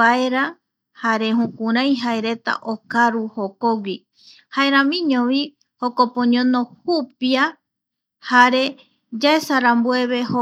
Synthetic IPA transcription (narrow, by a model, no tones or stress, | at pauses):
aeɾa | haɾe̞ɦũkũɾãj̃ɦaeɾe̞t̪a̰ʔokaɾuhokowʷi | haeɾãmĩɲõʋi | hokopõɲõnõhupia | haɾe̞ | d͡ʒaesaɾambue̞βe̞ho